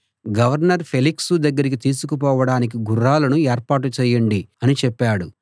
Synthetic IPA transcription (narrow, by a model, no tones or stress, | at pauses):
ɡɐʋɐɾnɐɾpʰe̞liksud̪ɐɡːɐɾik̬it̪iːsukup̬ɔːʋɐɽaːnik̬iɡuɾːaːlɐnueːɾpaːʈut͡ʃɛːjɐɳɖiɐnit͡ʃɛpːaːɽu